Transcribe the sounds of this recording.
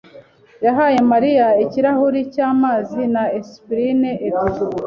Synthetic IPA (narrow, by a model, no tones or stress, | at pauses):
jaɦaːje̞maɾijaiciɾahuɾicaːmaːzinaespɾineʔei